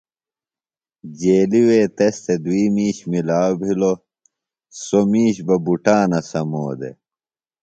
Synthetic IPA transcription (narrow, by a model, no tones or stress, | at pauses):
d͡ʑeːliweːt̪est̪ed̪wiːmiːɕmilaːbʱilo | somiːɕbɐbuʈaːnɐsɐmoːd̪ḛ